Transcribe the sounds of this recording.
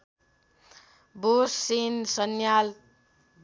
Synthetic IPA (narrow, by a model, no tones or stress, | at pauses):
bosːinsʌnjal